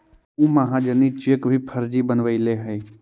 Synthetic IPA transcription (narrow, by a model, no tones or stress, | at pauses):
ũːmaɦãd͡ʒənit͡ʃekbʱipʰɐɾd͡ʒibənʋəileɦəi